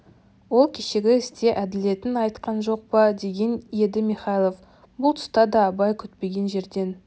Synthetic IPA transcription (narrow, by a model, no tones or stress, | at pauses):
wo̞lˠkʲʰeʃe̞ɡʲɪɪst̪e̞ʔæd̪ɪle̞t̪ɪnɑjt̪qɑnʒo̞q̚pɑd̪e̞ɡʲe̞ne̞d̪ɪmiχɑjlˠo̞f | bʊlˠt̪ʰʊ̥st̪ɑd̪ɑːbɑjkʲʰʏt̪pe̞ɡʲe̞nʒe̞ɾd̪e̞n